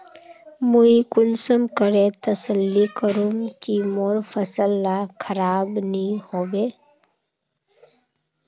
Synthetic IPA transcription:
muikʊnsəmkəɾẽt̪əsəlːikəɾumkimoːɾfʰəsəlːakʰəɾaːbnĩhoːbeː

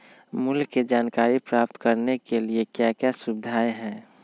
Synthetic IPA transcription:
mʊlɡːed͡ʒaːnkaːɾipɾaːp̚t̪kəɾnekeliekjakjasʊbɪd̪ʱaːeɦɛ̃ː

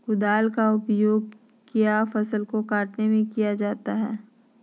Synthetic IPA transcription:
ɡʊd̪aːlkaʊpjoːɡ̚ | kijafɐsəlkokaːʈnemẽkijad͡ʒaːt̪aɦɛ̰ː

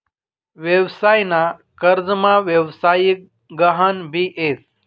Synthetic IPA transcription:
ʋjeʋsaːjnakəɾd͡zmãʋjəʋsaːjik̚ | ɡəɦənbiːʔeːs

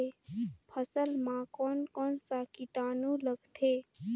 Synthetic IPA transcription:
epʰəsəlmãkɔːnkɔːnsakiʈaːnũləɡt̪ʰeː

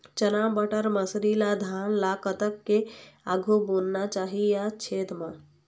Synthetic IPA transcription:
t͡ʃənambəʈəɾməsɾilad̪ʱanlakət̪əkːeaɡʱubonnat͡ʃaɦijat͡ʃʰet̪ma

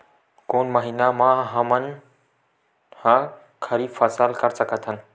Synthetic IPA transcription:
koːnməɦiːnamãɦəmən | hã | kʰəɾifʰəsəlkəɾsəkət̪ʰən

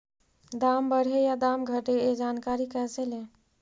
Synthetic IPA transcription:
d̪ambəɽ̤ɦejad̪amɡʱəʈeed͡ʒankaɾikɛt͡ʃele

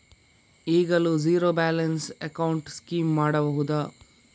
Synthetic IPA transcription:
iːɡɐluziːɾoːbaːlɐnsekɐwɳʈskiːmːaːɽɐbɐɦud̪ɐ

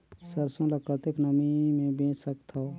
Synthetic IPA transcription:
səɾsõləpət̪eknəmimẽbẽːt͡ʃsəkt̪ʰa

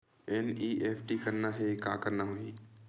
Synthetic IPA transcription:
ɛniːʔeːpʰʈikəɾnaɦeka̰ːkəɾnaɦoiː

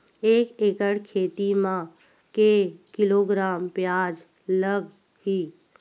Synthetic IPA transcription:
eːkekəɽkʰet̪imã | kekiloɡɾampjad͡ʒ | ləɡ | hi

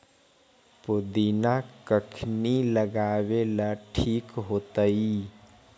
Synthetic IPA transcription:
pʊd̪inakəkʰniləɡaːʋelaʈʰiːkɦoːt̪aiː

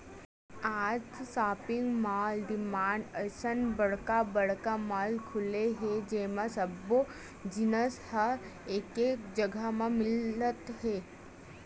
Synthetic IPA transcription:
aːd͡ʒsaːpɪ̃ŋɡmaːlɖɪmaːɳɖəsənbɐɽ̤kabɐɽkamaːlkʰʊleɦed͡ʒeːmãsəbːo | d͡ʒɪnəshə | eːkeːkd͡ʒəɡʱəmãmɪlət̪ɦɛː

